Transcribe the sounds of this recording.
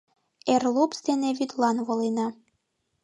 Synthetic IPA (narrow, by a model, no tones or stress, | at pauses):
erlˠopsd̪eneβyd̪lɑnβolenɑ